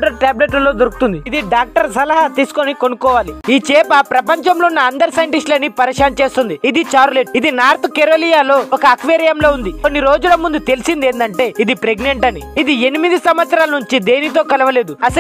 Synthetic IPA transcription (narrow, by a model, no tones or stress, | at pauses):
ʈɐɾʈaːbleʈlɐlo̞ːd̪oɾuku̥t̪und̪iid̪iɖaːk̚ʈɐɾsɐlɐɦɐt̪iːsu̥konikonukɔːʋaːliiːt͡ʃɛːpɐpɾɐpɐɲt͡ʃɐmloːnːɐɐnd̪ɐɾsɐjɐɳʈisʈlɐnipɐɾɐʂaːnt͡ʃe̞ːst̪und̪iid̪it͡ʃaːɾleʈ̚id̪inaːɾt̪keɾoːlijaːlo̞ːɔkɐːkʋeːɾjɐmlo̞ːund̪ikonːiɾo̞ːd͡ʒulɐmund̪ut̪e̞lisind̪e̞ːnd̪ɐɳʈe̞ːid̪ipɾe̞ɡne̞ɳʈɐniːd̪ie̞nimid̪isɐmʋɐt̪sɐɾaːlɐnuɲt͡ʃid̪e̞ːnit̪o̞ːkɐlɐʋɐle̞ːd̪uɐsɐ